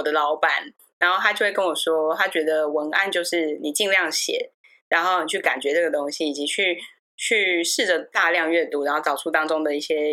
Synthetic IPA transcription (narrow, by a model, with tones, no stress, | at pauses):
wɔ˨˩d̪ə˦lɑ˧˥ʊpa˨˩˦n | ɻa˧˥nxo˥˩ʊtʰa˥jo˥˧xwe˥˩kə˥nwɔ˨˩ʂwɔ˥t̪ʰa˥t͡ɕɥɛ˧˥d̪ə˧wə˧˥na̰˥˧nt͡ɕjo˥˧ʊʂɻ̩˥˩ni˨˩t͡ɕi˥˧ŋljɑ˥˩ŋɕjɛ̰˨˩˦ | ɻa˧˥nxo˥˩ʊni˨˩t͡ɕʰy˥˩ka̰˨˩nt͡ɕɥɛ˧˥ʈ͡ʂɤ˥˩ɡə˩t̪o˥ŋɕi˥i˨˩t͡ɕi˧˥t͡ɕʰy˥˧ | t͡ɕʰy˥˧ʂɻ̩˥˩ʈ͡ʂə˩t̪a˥˧ljɑ˥˧ŋɥɛ˥˩t̪u˥ɻa˧˥nxo˥˩ʈ͡ʂɑ˨˩ʊʂʰu˥˩t̪ɑ˥ŋʈ͡ʂʊ˥ŋd̪ə˨i˥˩ɕjɛ˦˥